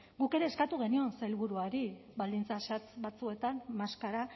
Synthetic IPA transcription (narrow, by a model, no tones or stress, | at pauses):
ɡuke̞ɾe̞ːskat̪uɣ̞e̞nio̞nselβuɾuaɾiβald̪int͡sasat͡sβat͡sue̞t̪anmaskaɾa